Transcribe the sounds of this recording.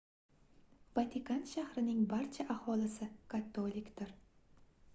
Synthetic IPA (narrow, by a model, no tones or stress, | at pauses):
vat̪ʰɪkʰanʃahɾɪnɪŋbaɾt͡ʃʰaʔahɒlɪsɪkʰat̪ʰːolˠɪkʲd̪ɪɾ